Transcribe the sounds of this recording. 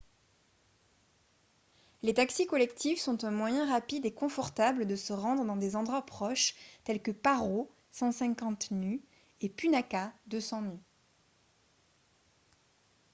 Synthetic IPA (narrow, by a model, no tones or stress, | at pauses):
let̪aksikɔlɛkt̪ʰifsɔ̃t̪ɛ̃mwajɛ̃ʁapid̪ekɔ̃fɔʁt̪abld̪əsəʁɑ̃d̪ʁəd̪ɑ̃d̪ezɑ̃d̪ʁwapχɔʃt̪ɛlkəpaʁo | sɑ̃sɛ̃kɑ̃t̪ny | epynakad̪øsɑ̃ny